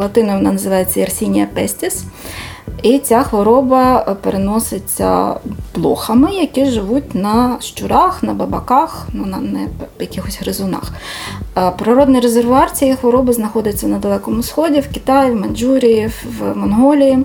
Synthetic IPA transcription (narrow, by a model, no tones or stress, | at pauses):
lˠɐt̪ɪnɐjʋɔnɑnɐzɪʋɑjet͡sʲːɐjɐrsʲinʲijɐpɛsʲtʲis | it͡sʲaxʋɔɾɔbɐpeɾenɔsɪt͡sʲːɐ̰b̥lˠɔxɐmɪjɐkiʒɪʋutʲnɐʃt͡ʃʊɾɑxnɐbɐbɐkɑxnunɐnɛjɐkʲixɔsʲɦɾɪzʊnɑ̰x | pɾɐɾɔd̪nɪjɾezerʋʊɑrt͡sʲijɛxʋɔɾɔbɪznɐxɔd̪ɪt͡sʲːɐnɐd̪ɐlˠɛkɔmʊsxɔdʲiwkʲit̪ɑjwmɐnd͡ʒuɾʲijiwmɔnɦɔlʲiji